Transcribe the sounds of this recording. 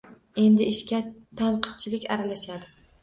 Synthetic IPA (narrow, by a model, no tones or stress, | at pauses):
e̞nd̪ɪːʃkʲat̪ʰanqʰɨ̥t̪̚t͡ʃʰɪlɪkʲa̰ɾalaʃad̪ɪ